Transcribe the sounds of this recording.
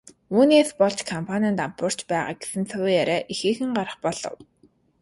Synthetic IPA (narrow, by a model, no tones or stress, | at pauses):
uːneːspɔɮt͡ɕkʰɔmpʰanʲaːnt̪ampʊr̥t͡ɕpæːʁa̰ːk̚ɡe̥sɘ̆nt͡sʰʊwjaɾæːʔixeːxɘ̆ŋɢaɾə̆χpɔɮ̥ɞ̰̆w